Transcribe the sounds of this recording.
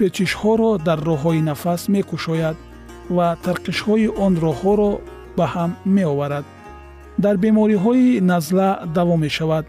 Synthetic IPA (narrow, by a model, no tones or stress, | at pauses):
pet͡ʃiʃhɔɾɔd̪aɾːɔɦɔinafasme̞kuʃɔjad̪ | vat̪ʰaɾqiʃhɔiʔɔnrɔhɔɾɔ | bahamːe̞ɔvaɾad̪ | d̪aɾbe̞mɔɾiɦɔinazlad̪avɔmːe̞ʃavad̪